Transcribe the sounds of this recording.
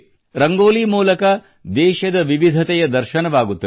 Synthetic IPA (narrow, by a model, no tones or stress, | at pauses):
ɾɐŋɡoːliːmuːlɐkɐ | d̪ɛːʃɐd̪ɐʋiʋid̪ʱɐt̪ɛjɐd̪ɐɾʃɐnɐʋaːɡut̪ːɐ